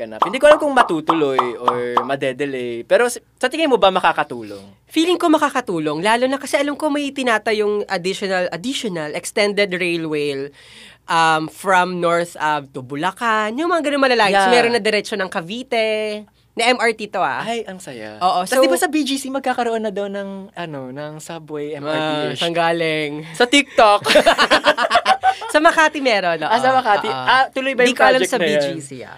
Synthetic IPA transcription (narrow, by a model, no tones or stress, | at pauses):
ɡɐna̰p̚hɪnd̪iːkoɐlamkoŋmɐt̪uːt̪ʊlojʔoɹmɐd̪ɛd̪ɛlɛjpɛːɾossɐt̪ɪŋɐjmobɐmɐkakɐt̪ṵːlo̰ŋ | fiːlɪŋko̞mɐkaːkɐt̪uːlo̞ŋlaːlʊnɐkɐsɛʔɐlɐmko̞mɐjt̪ɪnaːt̪ɐjʊŋʔɐd̪ɪʃonɐlʔɐd̪iʃonɐlɛkst̪ɛnd̪ɛd̪ɹejlwejl | ʔɐmfɹɐmnoɹθʔɐb̚t̪ʊbʊlɐkanjʊŋmɐŋaɡɐnomɐlɐlaːɡɪsmɛːɾonːɐd̪ɛɾɛt͡ʃonɐŋkɐviːt̪ɛ | nɐʔɛmɐɹt̪it̪o̞ha̰ajʔɐŋsɐja̰ʔoːʔosɐowd̪ɪbasɐbid͡ʒisimɐɡ̚kaːkɐɾoʔonːɐd̪ownːɐŋɐnonɐŋsabɛjɛsɐŋɡaːlɪŋsɐt̪ik̚t̪ok | sɐmɐɐkaːt̪imɛɾonoʔsɐmɐkaiʔat̪ʊlʊjbɐjd̪iikoʔɐlamsɐbid͡ʒisḭa̰